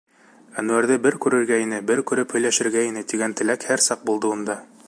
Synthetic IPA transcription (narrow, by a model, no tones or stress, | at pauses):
ænʉæɾðɘbɘɾkʉɾɘ̆ɾɡæjinɘbɘɾkʉɾɘphɵ̆jlæʃɘ̆ɾɡæinɘt̪iɡænt̪ɘ̆lækhæɾsɑq̚bulˠd̪ɤund̪ɑ